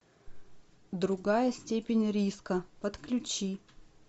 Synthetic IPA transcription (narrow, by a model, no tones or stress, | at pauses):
d̪ɾʊɡajəsʲtʲepʲɪnʲɾʲiskəpət̪klʲʉt͡ɕi